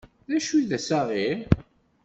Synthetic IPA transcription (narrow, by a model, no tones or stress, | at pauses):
ðæʃuðæsaʁiɾ